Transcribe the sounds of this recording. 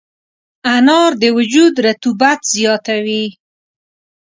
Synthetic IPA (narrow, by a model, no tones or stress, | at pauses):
anɑɾd̪əwʊd͡ʒud̪ɾat̪ubat̪z̥jɑt̪awi